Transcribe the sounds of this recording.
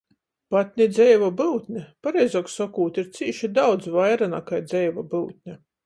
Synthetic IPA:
pat̪̚ʲnʲid̪zʲɛjvabɨwt̪ʲnʲɛpaɾɛjzoːksɔkuːt̪iɾt̪siːʃid̪awd̪zvajɾanakajd̪zɛjvabɨwt̪̚ʲnʲa

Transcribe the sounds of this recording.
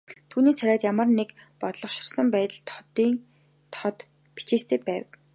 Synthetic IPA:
t̪ʰuːniːt͡sʰæɾʲæːt̪jamə̆rnekpɔt̪ɮɞ̆χʃɪ̥̆rsə̆mpæːt̪ə̆ɮt̪ʰt̪iːn | t̪ʰɔt̪ | pit͡ɕeːst̪ʰeːpæːw

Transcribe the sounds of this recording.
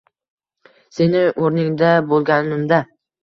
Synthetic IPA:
se̞nɪʔoɾnɪŋd̪abolˠɡʲannɪmd̪a

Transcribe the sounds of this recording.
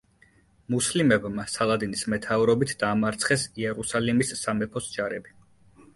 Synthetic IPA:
muslimɛbmasalˠad̪inismɛt̪ʰauvɾɔbit̪ʰd̪aːmaɾt̪sʰχɛsiɛɾusalimisːamɛpʰɔsd͡ʒaɾɛbi

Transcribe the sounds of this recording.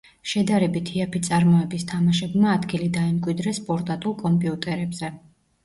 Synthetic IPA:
ʃɛd̪aɾɛbit̪ʰiapʰit̪sʼaɾmɔɛbist̪ʰamaʃɛbmaːd̪ɡilid̪aɛmkʼwid̪ɾɛspʼɔɾt̪ʼat̪ʼulˠkʼɔmpʼiut̪ʼɛɾɛbzɛ

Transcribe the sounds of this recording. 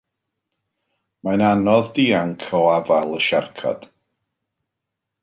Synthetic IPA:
mananɔðdiːaŋkʰɔwavalˠəʃa̰rkʰa̰d̥

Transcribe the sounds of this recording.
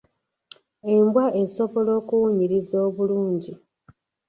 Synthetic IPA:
e̞mbwaʔe̞so̞βo̞lo̞ːkuwuɲiɾizo̞ːβuluːɲɟi

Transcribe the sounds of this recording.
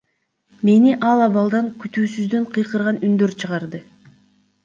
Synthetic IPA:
me̞niʔɑlˠɑβɑlˠd̪ɑŋkyt̪yːsyzd̪ø̞ɴqʰɯjqɯɾʁɑnynd̪ø̞ɾt͡ʃʰɯʁɑɾd̪ɯ

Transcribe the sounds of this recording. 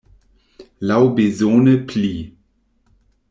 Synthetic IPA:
lawbezoːnəpʰliː

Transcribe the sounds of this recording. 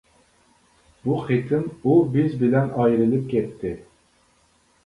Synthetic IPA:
b̥uχet̪ʰɪmubɪzbɪlɛnɑjɾɪlɪp̚kʲʰɛt̪ʰːɪ

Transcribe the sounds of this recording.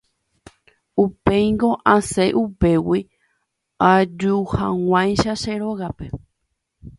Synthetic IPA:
upe̞jŋɡo̞ʔãseʔupe̞wi | ad͡ʒuhãŋʷãj̃ʃaʃeɾo̞ɣape̞

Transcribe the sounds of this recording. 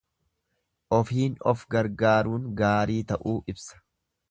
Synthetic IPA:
ʔɔfiːnɔfɡɐɾɡaːɾuːŋɡaːɾiːt̪ɐʔuːʔɪbsɐ̥

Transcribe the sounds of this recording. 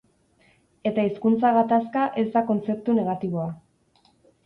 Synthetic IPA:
e̞t̪aiskunt͡saɣat̪askaʔe̞zd̪ako̞nt͡se̞p̚t̪une̞ɣat̪iβ̞o̞a

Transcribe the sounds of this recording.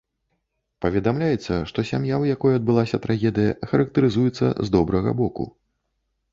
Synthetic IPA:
pɐvʲɛd̪amlʲajɛt̪sːɐʂt̪ɔsʲamjawjakɔjuɐd̪̚bɨlˠasʲɐt̪ɾʔaɣʲɛd̪ɨjɐxɐɾɐk̚t̪ɐɾɨzujɛt̪sːɐ̰zd̪ɔbɾɐɣɐ̰bɔkṵ

